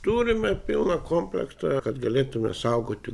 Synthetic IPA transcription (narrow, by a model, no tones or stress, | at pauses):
t̪uːɾimepilnɑkʰomplḛkst̪ɑkɑt̪ɡelet̪ːumḛsɑukot̪ʲːi